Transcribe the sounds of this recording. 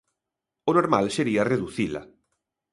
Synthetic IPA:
onoɾmalseɾiɐreðuθilɐ̰

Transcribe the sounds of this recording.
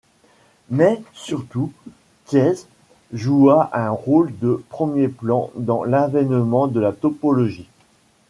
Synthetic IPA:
mɛsyʁt̪u | k̪jɛz | ʒuaʔɛ̃ʁold̪əpχəmjeplɑ̃d̪ɑ̃lavɛnmɑ̃d̪əlat̪ɔpɔlɔʒi

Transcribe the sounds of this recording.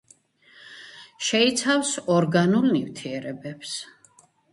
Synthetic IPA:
ʃɛit̪sʰafsɔɾɡanulˠnivt̪ʰiɛɾɛbɛps

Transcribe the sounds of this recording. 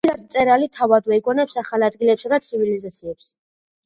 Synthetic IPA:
iɾad̪mt̪sʼɛɾalit̪ʰavad̪vɛiɡɔnɛpsaχalad̪ɡilɛpsad̪at̪sʰivilizat̪sʰiɛps

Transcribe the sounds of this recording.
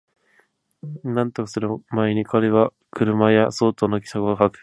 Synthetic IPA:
nãnt̪okḁsɨɾɯmaeɲ̟ikʰaɾeβa | kɯ̟ɾɯ̟majaso̞ːt̪onok̬ʲi̥sakɯkakɯ̥

